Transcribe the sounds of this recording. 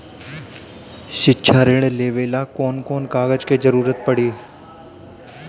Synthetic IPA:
ʃɪkːʃʰaːɾeːɽ̃leːʋeːlakoːnkoːnkaːɣəd͡ʒked͡ʒəɾuːɾət̪̚pəɽiː

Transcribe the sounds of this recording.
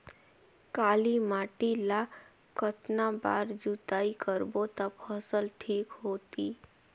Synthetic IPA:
kaːlimaːʈila | kət̪naba̰ːɾd͡ʒut̪aːikəɾbot̪əbhəsəlʈʰiːkɦoːt̪iː

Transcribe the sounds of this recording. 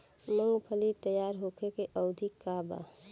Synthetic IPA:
mə̃ŋɡpʰəlit̪əjaːɾɦokʰekeʔəʊd̪ʱikːaːba̰

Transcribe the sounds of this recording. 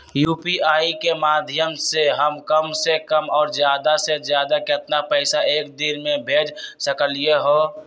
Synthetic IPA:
juːpiʔaːikemaːd̪ʱjəmseɦəmkəmsekəmɔːɾd͡ʒjaːd̪ased͡ʒjaːd̪akɪɪt̪napəɪsaʔeːk̚d̪inmẽbʱeːd͡ʒsəkəlijeɦoː

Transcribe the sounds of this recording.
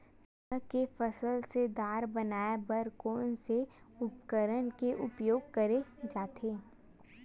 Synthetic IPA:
əkefəsəlsed̪aːɾbənaːjabəɾkoːnse | ʊpkəɾənkeʔʊpjoːɡ̚kəɾed͡ʒaːt̪ʰeː

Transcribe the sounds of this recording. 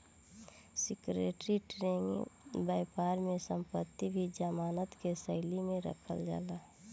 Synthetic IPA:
sɪkɾḛːʈɾiʈɾeːŋbaɪpaːɾmẽsə̃mpət̪ːibʱid͡ʒəmaːnət̪kesəɪlimẽɾə̰kʰə̰ld͡ʒa̰ːla

